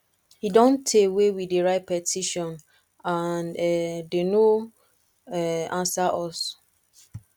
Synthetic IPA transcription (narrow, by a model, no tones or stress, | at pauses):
hidɔ̃ntʰewewideɹaɪt̚pɛtʰiʃɔ̃n | anɛdeno | ɛãnsaʔɔs